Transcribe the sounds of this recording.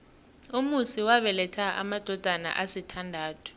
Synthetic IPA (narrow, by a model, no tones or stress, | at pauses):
umusiwaɓɛlɛtʰaʔa̰mad̥ʱɔd̥ʱana̰ʔasitʰandʱaːtʰu̥